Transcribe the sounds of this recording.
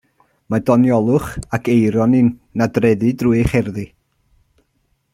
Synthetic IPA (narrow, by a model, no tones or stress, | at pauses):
madɔnjɔlˠʊχakʰejɾɔnɪnnadrɛðɨdruɨχɛrðɨ